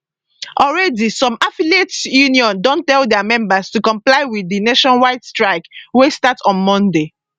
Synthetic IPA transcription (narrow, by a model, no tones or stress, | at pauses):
ʔɔlɹɛdisɔ̃mafilietsjuniɔ̃ndɔ̃ntːɛlˠdɛmɛ̃mbəstukɔ̃mplaɪwiðineʃɔ̃nwaɪtstɹaɪkwestatɔ̃nmɔ̃nde